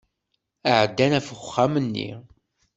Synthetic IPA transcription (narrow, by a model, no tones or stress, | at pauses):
aʕəd̪ːænæfəχχːæmənːḭ